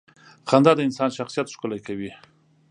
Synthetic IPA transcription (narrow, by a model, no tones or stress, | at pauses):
xand̪ɑd̪əɪnsɑnʃaxsijat̪ʃkʊlajkawi